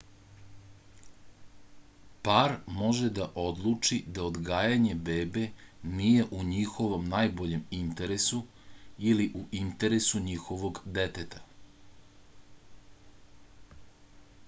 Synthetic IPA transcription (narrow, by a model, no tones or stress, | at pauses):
paːɾmo̞ʒed̪aʔo̞d̪lˠut͡ʂid̪aod̪ɡaːjaɲe̞beːbe̞nije̞ʔuɲixo̞ʋo̞mnaːjbo̞ʎe̞mint̪eɾesu | iliʔuʔint̪eɾesuɲixo̞ʋo̞ɡd̪et̪et̪ḁ